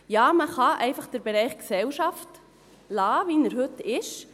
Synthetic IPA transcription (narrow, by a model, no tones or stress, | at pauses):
jɑːməχɑʔɛɪfɑχd̪̥əɾbeɾɛɪχksɛwʃɑft | lɑːʋinəɾɦɵtɪʃ